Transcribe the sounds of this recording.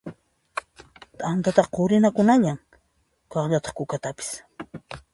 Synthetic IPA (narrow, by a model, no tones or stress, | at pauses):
t̪ʼant̪at̪aqoɾɪnakʊnaʎaŋ | kɑχʎat̪ɑ̥χkʊkat̪apɪ̥s